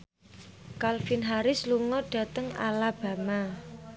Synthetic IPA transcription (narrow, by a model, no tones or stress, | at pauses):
kalfinɦaɾɪsluŋɔɖ̥ä̤t̪əŋa̰lab̥ä̤ma